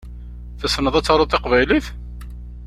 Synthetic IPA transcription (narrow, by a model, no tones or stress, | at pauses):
θæsnːəðˤæt͡sːɑɾˤot̪ˤːeqvæjliθ